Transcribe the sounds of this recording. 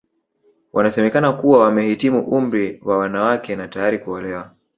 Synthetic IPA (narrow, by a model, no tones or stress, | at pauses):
wʔanasɛmɛkanakuwawamɛhitimuʔum̩ɾiwawanawakɛnatajaɾikuɔlɛwa